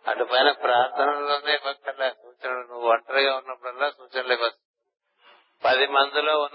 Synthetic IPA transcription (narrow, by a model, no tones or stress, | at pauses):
ɐ̰ɖupɐjnɐpɾaːɾt̪ʰɐnɐloːneːpɐk̚tɐlːaːsuːt͡ʃɐnɐlnuʋuɐɳʈɐɾɐɡaːunːɐpːuɽɐlːaːsuːt͡ʃɐnɐlikɐsu | pɐd̪imɐnd̪uloːunː